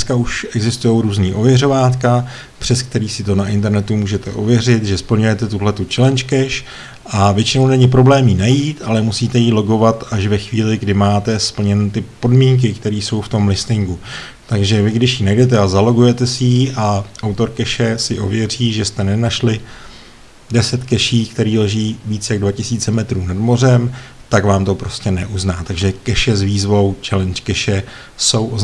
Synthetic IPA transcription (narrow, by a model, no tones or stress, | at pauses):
skauʃʔɛɡzɪst̪ujo̞wɾuːzniːʔo̞vjɛro̞vaːt̪ka | pr̥ɛsk̚t̪ɛɾiːsɪt̪o̞naʔɪnt̪ɛɾnɛt̪umuːʒɛt̪ɛʔovjɛrɪt̪ʒɛspl̩ɲujɛt̪ɛt̪uɦlɛt̪ut͡ʃɛlɛnt͡ʃkɛʃ | ʔavjɛt͡ʃɪno̞wnɛɲɪpɾo̞blɛːmiːnajiːt̪alɛmusiːt̪ɛjiːlo̞ɡo̞vat̪aʃvɛxviːlɪɡdɪmaːt̪ɛspl̩ɲɛnt̪ɪpo̞dmiːŋk̬ɪkt̪ɛɾiːso̞wft̪o̞mlɪst̪ɪŋɡu | t̪aɡʒɛvɪɡdɪʃjinɛjdɛt̪ɛazalo̞ɡujɛt̪ɛsɪjiːʔaʔawt̪o̞ɾkɛʃɛsɪʔovjɛr̝iːʒɛst̪ɛnɛnaʃlɪ | dɛsɛt̪kɛʃiːkt̪ɛɾiːlɛʒiːviːt͡sjaɡdvacɪsiːt͡sɛmɛt̪ɾuːnadmo̞r̝ɛm | t̪aɡvaːmt̪o̞pɾo̞scɛnɛʔuznaːt̪aɡʒɛkɛʃɛzviːzvo̞wt͡ʃɛlɛnt͡ʃkɛʃɛ | so̞w